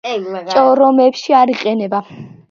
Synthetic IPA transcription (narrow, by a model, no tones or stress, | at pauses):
t͡ʃʼɔɾɔmɛbʃiaɾiqʼɛnɛba